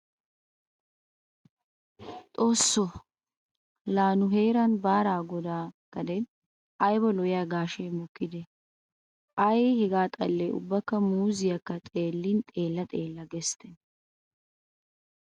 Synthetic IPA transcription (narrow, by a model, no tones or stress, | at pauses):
t̪ʼo̞ːsːɔ | laːnʊɦe̞ːɾɐnbaːɾaːɡɔd̪aːkːɐd̪ɛn | ʔɐjbɔlɔjɪjaːɡaːʃɛjmɔkːɪd̪ɛ | ʔɐjhɛɡaːt̪ʼɐlːɛʊ̰bːɐkːɐmuːzɪjɐkːɐt̪ʼe̞ːlːɪnt̪ʼe̞ːlːɐt̪ʼeːlːɐɡɛst̪ɛn